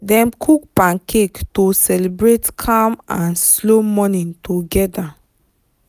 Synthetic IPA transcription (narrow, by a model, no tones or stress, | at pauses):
dɛ̃mkʰuk̚pãnkʰektosɛlibɹetkʰamãnslomɔnĩntoɡɛda